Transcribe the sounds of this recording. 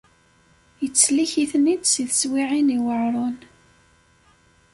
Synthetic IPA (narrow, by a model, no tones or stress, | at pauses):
jət͡sːliçiθnid̪siðəswiʕiniwəʕɾˤon